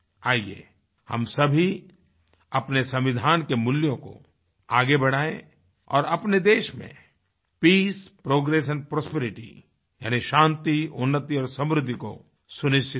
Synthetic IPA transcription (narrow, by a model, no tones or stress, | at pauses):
aːiḛː | hɐ̰msɐbʱi | ɐpnesɐ̃mʋɪd̪ʱaːnkemʊljõko̰ | aːɡebɐɽ̤aːḛ̃ | ɔ̰ːɾɐpned̪eːʃmḛ̃ | piːspɾoːɡɾeːʃ̬ənpɾoːspeɾɪʈḭ | ja̰ːniʃãːnt̪iʊnːət̪iɔːɾsɐ̃mɾʊd̪ʱːiko̰ | sʊnɪʃt͡ʃʰɪ